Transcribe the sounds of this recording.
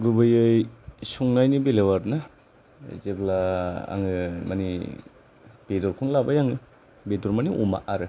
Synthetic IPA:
ɡubɯjɯjsuŋnajnibelewaɾna | zeblaa̰ŋɯmanḭ | b̥edɔɾkʰuŋlabajaŋɯ | bedɔɾmaniʔṵma̰ʔaɾɯ

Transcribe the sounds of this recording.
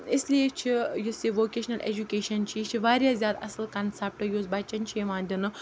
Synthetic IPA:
ɪslijet͡ʃʰijusiʋoːkeːʃnɐlʔḛːd͡ʒukeːʃɐnt͡ʃʰit͡ʃʰiʋaːɾʲjaːzʲaːd̪ɐslkɐnsɐp̚ʈɨjosbɐt͡ʃːɐnt͡ʃʰieʋãːnd̪ʲinɨ

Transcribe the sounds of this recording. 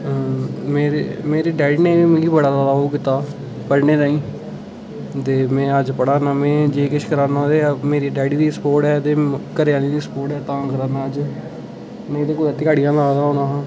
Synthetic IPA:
meːɾemeːɾiːɖɛːɖiːneːʋiːmə̃ɡiːbəɽaːdaːlaːoːkɪt̪ːaː | pəɽneːnaːĩː | t̪eːmɛ̃ːəd͡ʒpəɽaːnamɛ̃ːd͡ʒeːkɪʃkəɾaːnãːt̪eːmeːɾiːɖɛːɽiːd̪iːsəpoːɾʈɛːt̪eːkəɾejaːniːd̪iːsə̥poːɾʈɛːt̪ãːkəɾaːnaːəd͡ʒ | nəĩd̪eːkoːət̪ːeːkaːɽijãːlaːd̪aːɦoːnaːɦãː

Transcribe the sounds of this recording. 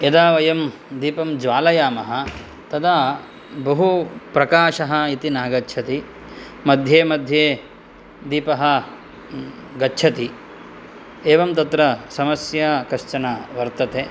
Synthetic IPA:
ed̪aːʋɐjɐmd̪iːpɐmd͡ʒʋaːlɐjaːmɐɦɐ̆ | t̪ɐd̪aː | bɐɦupɾɐkaːʃɐɦɐ̆it̪inaːɡɐtːt͡ʃʰɐt̪i | mɐd̪ʱjeːmɐd̪ʱjeː | d̪iːpɐɦɐ̆ | ɡɐtːt͡ʃʰɐt̪i | eːʋɐmt̪ɐt̪ɾɐsɐmɐsjaːkɾɐʃt͡ʃɐnaʋɐɾt̪ɐt̪eː

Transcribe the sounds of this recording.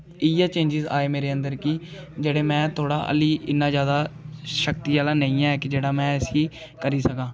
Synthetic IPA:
ɪaːt͡ʃẽːɲd͡ʒɪza̰ːeːmeːɾeːənd̪əɾkɪ | d͡ʒeːɽeːmɛ̃ːt̪ʰoːɽa̰ːʔə̰liːʔɪnːãːzjaːd̪aːʃək̚t̪iːaːlaːnəĩːɛ̃ːɛːkɪd͡ʒeːɽaːmɛ̃ːəsiː | kəɾiːsəkãː

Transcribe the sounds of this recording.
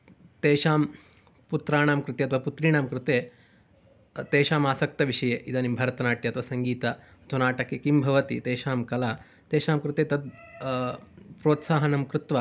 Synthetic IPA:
t̪eːʃaːm | put̪ɾaːɳ̃aːmkɾɨt̪eɐt̪ʰɐʋaput̪ɾiːɳ̃aːmkɾut̪eː | t̪eːʃaːmaːsɐk̚t̪ɐʋiʂɐjeʔid̪ɐːnimbʱɐɾɐt̪ɐnaːʈjɐɐt̪ʰɐʋaːsɐŋɡiːt̪ɐ | ɐt̪ʰʋɐnaːʈɐkekimbʱɐʋɐt̪ḭt̪eːʃaːmkɐlaː | t̪eːʃaːmkɾɨt̪eːt̪ɐd̪̚ | pɾoːt̪saːɦɐnɐmkɾut̪ʋɐ

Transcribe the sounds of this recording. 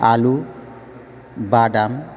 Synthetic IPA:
alu | baɖam

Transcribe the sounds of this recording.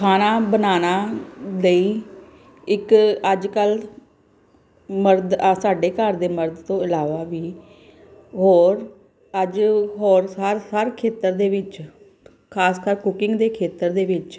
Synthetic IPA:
kʰaːnaːbənaːnaːləiː | ɪkəd͡ʒkəl | məɾd̪saːɖeːkəɾd̪eːməɾd̪t̪õːɪlaːʋaːʋiː | ɦoːɾ | əd͡ʒɦoːɾsaːɾsaːɾkʰeːt̪əɾd̪eːʋɪt͡ʃ | kʰaːskəɾkʊkɪŋɡd̪eːkʰeːt̪əɾd̪eːʋɪt͡ʃ

